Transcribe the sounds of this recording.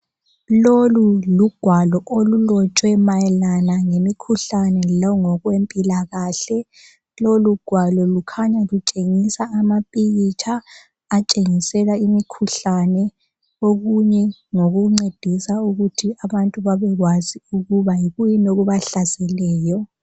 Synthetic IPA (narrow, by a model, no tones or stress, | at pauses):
loluluɡ̥ʱwalɔʔolulɔt͡ʃʼwɛmajɛlanaŋemikʰuɬanɛlɔŋɔɣwempʼilaɣaɬɛ | loluɡ̥ʱwalɔlukʰaɲalut͡ʃʼeŋisaːmapʼijit͡ʃʰaː | t͡ʃʼeŋisɛlaimikʰuɬanɛ | oɣuɲɛŋoɣuŋ͡ǀed̥ʱisauɣutʰiaβantʼuβaβɛɣwaziuɣuβajiɣujinoɣuβaɬazɛlɛːjɔ